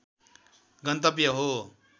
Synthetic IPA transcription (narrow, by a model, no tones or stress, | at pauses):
ɡʌnt̪ʌp̬jʌɦo